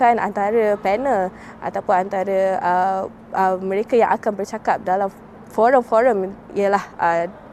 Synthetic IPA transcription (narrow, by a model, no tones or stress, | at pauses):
ana̰nt̪aɾəpɛnəl | ʔa̰t̪awpʊnant̪aɾəə | ʔəmə̃ɾekajãŋʔakanbərt͡ʃakap̚dalam | fɔɾəmfɔɾəmḭəlahʔə